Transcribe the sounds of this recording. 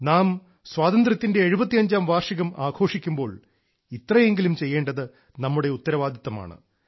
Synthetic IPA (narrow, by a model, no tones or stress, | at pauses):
naːm | swaːt̪ɐnd̪rɐt̪ːinde̞ːɻubɐt̪ːijɐɲd͡ʑaːmʋaːrʂɐɣɐmaːɡʰʱo̞ːʂikʲːumbo̞ːɭ | it̪ːrɐje̞ŋɡilumt͡ɕe̞jːe̞ːɳɖɐðɨ | nɐmːuɽe̞ut̪ːɐɾɐʋaːd̪ʱjɐt̪ːɐma̰ːɳɨ̰